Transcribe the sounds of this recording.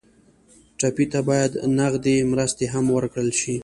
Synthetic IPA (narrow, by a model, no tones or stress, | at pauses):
ʈapit̪abɑjad̪naɣd̪emɾəst̪eɦamwəɾkɽəlʃi